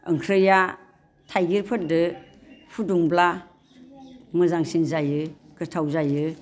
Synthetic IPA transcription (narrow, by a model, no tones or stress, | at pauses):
ɯ̰ŋkʰɾɯja | tʰajɡiɾpʰɯt̚dɯ | pʰuduŋbla | mɯzaŋsinzajɯ | kɯtʰawzajɯ